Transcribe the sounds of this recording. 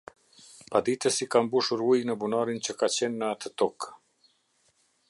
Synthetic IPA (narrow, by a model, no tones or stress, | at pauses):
pad̪it̪əsikambuʃuɾujnəbunaɾint͡ɕəkat͡ɕɛnːəat̪ət̪ɔk